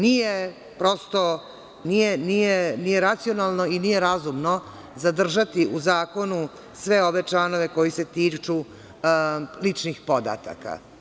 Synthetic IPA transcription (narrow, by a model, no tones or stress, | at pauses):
nije | pɾo̞st̪o̞ | nijenijenije̞ɾat̪sio̞nalˠno̞inije̞ɾazumno̞ | zad̪r̩ʒat̪iʔuzaːko̞nu | sʋe̞o̞ʋe̞t͡ʃlano̞ʋe̞ko̞jise̞t̪iːt͡ʂu | lit͡ʂnixpo̞d̪a̰t̪a̰ka̰